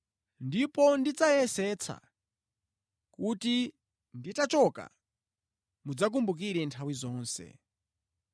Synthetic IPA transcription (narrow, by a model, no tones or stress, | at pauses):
ndipɔndit͡sajɛsɛt͡sʰa̰ | kuti | nditat͡ʃɔka̰ | mud͡zak̬umbuk̬iɾɛntʰawizɔːnsɛ̰